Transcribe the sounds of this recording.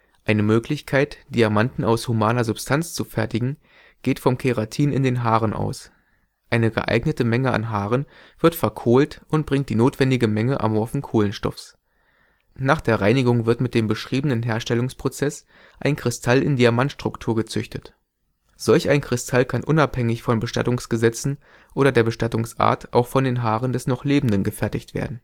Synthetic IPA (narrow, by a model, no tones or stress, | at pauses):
ʔaɪnəmøːklɪçkʰaɪtd̥iamantn̩aʊshumaːnɐzʊpstʰant͡st͡sufɛɐtɪɡŋ̩ | ɡ̥eːtfɔmkʰeʁatʰiːnɪ̰ndeːnɦaːʁənʔa̰ʊs | ʔaɪnəɡə̰ʔa̰ɪɡnətəmɛŋəa̰nɦaːʁən | v̥ɪɐtfɛɐkʰoːltʔʊntb̥ʁɪŋkt̚d̥iːnoːtv̥ɛndɪɡəmɛŋəʔa̰mɔɐfn̩kʰoːlənʃtɔ̰fs | naːχd̥eːɐʁaɪnɪɡʊŋvɪɐtmɪt̚d̥eːmbəʃʁ̥iːbənənɦeːɐʃtɛlʊŋspʁ̥ot͡sɛs | ʔaɪnkʁ̥ɪstʰalɪ̰ndiaɐmantʃtʁ̥ʊktʰuːɐɡət͡sʏçtət | z̥ɔlçaɪnkʁ̥ɪstʰalkʰanʔʊnaphɛŋɪçfɔnbəʃta̰tʊŋsɡ̥əzɛt͡sn̩ | ʔoːɾɐdeːɐbəʃtatʊŋsʔa̰ːɐtʰʔaʊxfɔndeːnɦaːʁəndɛsnɔχleːbm̩dənɡəfɛɐtɪçtv̥ḛːɐdn̩